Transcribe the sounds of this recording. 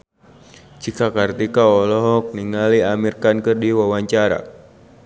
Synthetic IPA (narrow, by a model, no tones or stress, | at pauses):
t͡ʃikakart̪ikaɔlɔɦɔk̚niŋaliamirkankɨrdiwawaɲt͡ʃaɾa̰